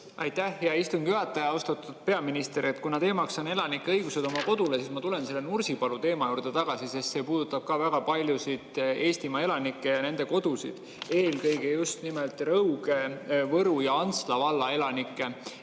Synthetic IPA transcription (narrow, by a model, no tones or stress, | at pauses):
ʔɑ̰jt̪ːˑæhjɑist̪uŋɡ̥jyɑt̪ˑːɑjɑost̪ɑt̪ːˑud̪̥̚pe̞ɑminist̪e̞ɾe̞t̪ːˑkunɑt̪e̞ːmɑksɑne̞lɑnikːeɤjɡ̥use̞d̪̥o̞mɑko̞d̪̥ule̞siːsmɑt̪ule̞nse̞lːenursipɑlut̪e̞ːmɑjuːɾrd̪e̞t̪ɑɡ̥ɑsisest̪se̞puːd̪̥ut̪ːˑɑb̥̚kɑvæɡ̥ɑpɑlʲjusid̪̥e̞ːst̪imɑe̞lɑnikːˑe̞jɑne̞nd̪e̞ko̞d̪̥usḭd̪̥ | e̞ːlkɤjɡejust̪nimelt̪ˑrɤuɡe̞vɤɾujɑɑnst̪lɑvɑlːɑe̞lɑnikːˑe̞